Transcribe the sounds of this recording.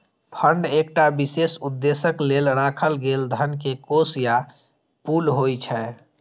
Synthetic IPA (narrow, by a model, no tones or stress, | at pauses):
pʰəɳɖek̚ʈabisesud̪ːesəklelɾaːkʰəlɡeld̪ʱənkekosja | pulɦojt͡ʃʰɛ